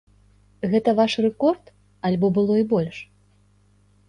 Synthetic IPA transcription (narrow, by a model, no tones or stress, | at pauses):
ɣɛt̪ɐvaʂrɛkɔrt̪ | ɐlʲbɔbɨlˠɔibɔlʲʂ